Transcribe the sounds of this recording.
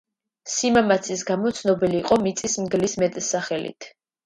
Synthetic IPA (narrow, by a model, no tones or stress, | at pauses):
simamat̪sʰisɡamɔt̪sʰnɔbiliːqʼɔmit̪sʼismɡlismɛt̪ʼsaχɛlḭt̪ʰ